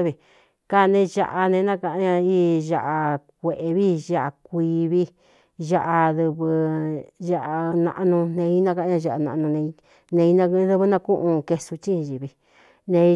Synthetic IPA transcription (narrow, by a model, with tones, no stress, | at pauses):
βi˧ | ka˦˧nẽ˧ʒa̰˧ʔa˧nẽ˧nã˦kã˧ʔɲã˧i˦ʒa˧ʔa˧k̚ʷe˨ʔe˧βi˦ʒa˦ʔa˧k̚ʷi˧βi˦ | ʒa˦ʔa˧ðɨ˧βɨ˧ʒa˦˧ʔa˧nã̰˧ʔa˧nũ˧nẽ˧i˦nã˦ka˧˦ɲã˧ʒa˧ʔa˧nã˧ʔnũ˧nẽ˧ | nẽ˧i˧˦nã˧˦ðɨ˦βɨ˧nã˧kũ˦ʔũ˧ke˧su˧t͡ʃĩ˦˧ʒi˧˨βi˧ | nẽ˧